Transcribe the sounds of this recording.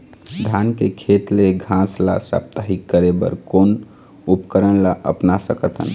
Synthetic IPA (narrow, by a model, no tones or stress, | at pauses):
d̪ʱankekʰet̪leɡʱãsla̰sa̰p̚t̪əɦikːəɾebə̰ɾkon | upkəɾənlaʔə̰pnasəkət̪ʰɦə̰n